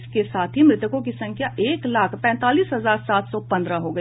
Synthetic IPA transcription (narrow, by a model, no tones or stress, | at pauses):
skesaːt̪ʰɦimɾɪt̪əkõkisɐ̃ŋkʰjaeːklaːkʰpɛ̃ːnt̪aːliːsɦɐzaːɾsaːt̪ʰsɔpɐ̃nd̪ɾaɦoɡɐ